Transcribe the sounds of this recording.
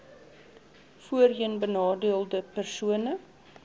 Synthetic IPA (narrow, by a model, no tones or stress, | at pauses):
fuərɦiənbənɑːdiəlˠdəpærsuənə